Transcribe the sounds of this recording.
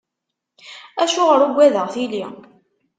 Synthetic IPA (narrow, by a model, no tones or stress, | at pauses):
æʃʊʁəɾuɡʷːæðəʁθili